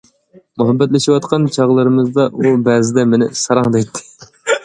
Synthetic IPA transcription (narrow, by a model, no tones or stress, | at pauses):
muɦɛbːɛt̪lɪʃiwɑt̪qʰɑnt͡ʃʰɑʁlˠɨɾɨmɨzd̪ɑʔubɛːzɪd̪ɛmɪnɪ̰sɑɾɑŋd̪ɛjt̪ʰːɪ̥